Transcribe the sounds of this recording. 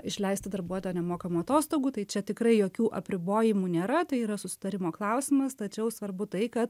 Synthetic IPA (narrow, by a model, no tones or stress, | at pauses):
ɪʃʲlʲɛɪsʲt̪ʲɪd̪ɐɾbuɔojoːnʲɛmoːkɐmuːɐt̪oːst̪oːɡuːt̪ɐɪt͡ʃʲɛt̪ʲɪkɾɐɪjoːkʲuːʔɐpʲɾʲɪboːjɪmuːnʲeːɾɐt̪ɐɪiːɾɐsʊsʲɪ̥t̪ɐɾʲɪmoːklˠɐʊsʲɪmɐst̪ɐt͡ʃʲɛʊsʋɐɾbʊt̪ɐɪkɐt̪